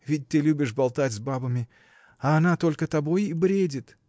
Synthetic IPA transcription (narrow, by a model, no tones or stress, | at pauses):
vʲɪt̚ʲt̪ɨlʲubʲɪʂbɐlˠt̪atʲzbabəmʲɪ | ɐːnat̪o̞lʲkət̪ɐbo̞jibɾʲedʲɪt̪